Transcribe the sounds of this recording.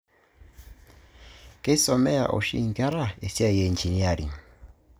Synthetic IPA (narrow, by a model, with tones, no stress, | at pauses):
kɛ˦i˦sɔ˨mɛ˦a̰˨ʔɔ̰˨ʃḭ˦ŋ˨ɡa˦ɾa˦˨e˨si˦a˦˨jɛ˨nt͡ʃi˨ni˦a˨ɾi˨